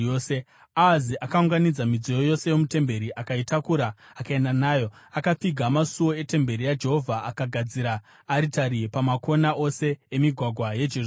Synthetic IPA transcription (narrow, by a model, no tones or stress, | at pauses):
oːse | aːziʔakauŋɡanid͡zamid͡zojojo̞se̞jo̞mute̞mbe̞ɾiʔakaitakuɾaːkae̞ndanaːjo̞akap͡fiɡʱamasuwo̞e̞te̞mbe̞ɾijad͡ʒe̞ɦo̞vʱaʔakaɡʱad͡ziɾaː | ɾitaɾipamakʰo̞naʔo̞se̞emiɡʱwaɡʱwaje̞d͡ʒe